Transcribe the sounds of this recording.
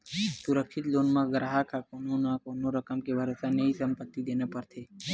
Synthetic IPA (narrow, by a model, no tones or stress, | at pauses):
sʊɾəkʃɪt̪loːnmãɡɾaːɦakakononakonoɾəkəmkebʱəɾəsaneisəmpət̪ːid̪enapəɾt̪ʰeː